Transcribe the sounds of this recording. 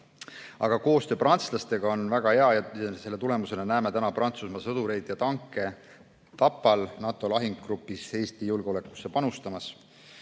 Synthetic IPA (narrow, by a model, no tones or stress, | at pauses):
ɑɡ̥ɑko̞ːst̪øːprɑnt̪slɑst̪e̞ɡ̥ɑo̞nvæɡ̥ɑhe̞ɑjɑjse̞lːe̞t̪ule̞muse̞nenæːme̞t̪ænɑprɑnt̪susmɑsɤd̪̥uɾe̞jd̪̥jɑt̪ɑŋkˑːe̞ | t̪ɑpːˑɑlnɑt̪ːˑo̞lɑɦiŋɡɡrupːˑishe̞ːst̪ijulɡeo̞le̞kːˑu̥sːe̞pɑnust̪ɑmɑs